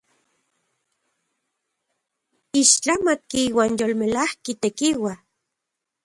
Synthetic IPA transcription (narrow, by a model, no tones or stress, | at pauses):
iʃt͡ɬamat̪kiiwaːnjolmelahkit̪ekiwa